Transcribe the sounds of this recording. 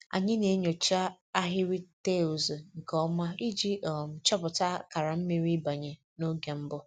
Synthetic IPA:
a̰˨ɲɪ˦ne˨˦ɲo˨t͡ʃa˦ | a˦ɦɪ˦ɾi˦te˦o˨zŋ̩˨kɔ˦ma˦i˦d͡ʒi˦ʔɔ˨m̩˨t͡ʃɔ˦bʊ˨ta˦ka˨ɾa˨m̩˦me˦ɾi˦ba˨ɲe˨ | no˦ɡe˨m̩˦bʊ˦

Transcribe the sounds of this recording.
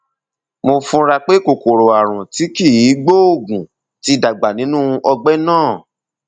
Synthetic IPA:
mo˧fũ˧ɾa˧k͡pe˦ko˨ko˨ɾo˨a˨ɾ̃ũ˨ti˦ki˦˨ji˨˦ɡ͡bo˦o˦˨ɡũ˨ | ti˦da˨ɡ͡ba˨nĩ˨˦nũ˦˧ʔɔ˧ɡ͡bɛ˦nãː˦˨

